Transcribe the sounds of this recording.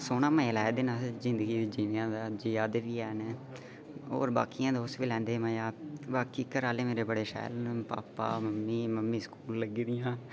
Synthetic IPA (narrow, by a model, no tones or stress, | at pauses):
soːnãːmə̃lɛːd̪ɪnaːzɪ̃nd̪əɡiːid͡ʒiːnãːd̪aːd͡ʒiːaːd̪eːʋiːɛːnː | o̰ːɾba̰ːkijãːd̪oːsʋiːlɛ̃ːnd̪eːmə̃jaːbaːkiːkəɾaːleːmeːɾeːbəɽeːʃɛ̰ːlpa̰ːpa̰ːməmːiːməmːiːsə̥kuːlːəɡd̪ɪjãː